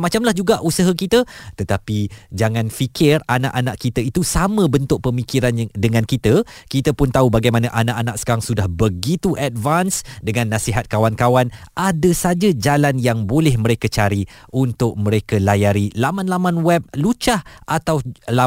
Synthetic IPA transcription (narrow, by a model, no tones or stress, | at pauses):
mat͡ʃamlahd͡ʒuɡaʔusəɦakit̪ət̪ət̪apid͡ʒaŋãnfikɪrana̰ʔanaʔkit̪əit̪usamə̃bənt̪ʊʔ̚pəmikiɾandəŋãnkit̪əkit̪əpʊnt̪aubaɡajmãnãʔanaʔanaʔsə̥kaɾaŋsudahbəɡit̪uʔad̚vansdəŋãnːasiɦat̪̚kawankawanʔadəsad͡ʒad͡ʒalanjaŋbolɛhmə̃ɾekət͡ʃaɾiʔunt̪ʊʔ̚mə̃ɾekəlajaɾilamanlamanwɛp̚lut͡ʃahʔat̪awla